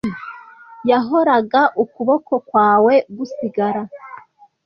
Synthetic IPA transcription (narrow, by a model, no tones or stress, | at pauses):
jaɦo̞ɾaɡaʔukuβo̞ko̞kwaːwe̞ɡusiɡaɾa